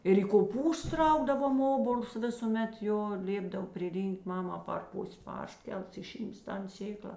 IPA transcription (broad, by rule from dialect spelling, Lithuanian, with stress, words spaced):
ɪr iː koːˈpuːstʊs ˈrɐʊɡdɐʋoːm ˈoːboːlˠs ˈʋʲɪsuːˌmʲɛt ˈjoː ˈlʲeːbdɐw pʲrʲɪˈrʲiːŋʲkʲtʲ ˈmɑːmɐ pɐr ˈpʊsʲ ˈpɐrʲˌsʲkʲɛlˠs ɪˈʃʲiːms ˈtɐn ˈsʲeːklˠɐ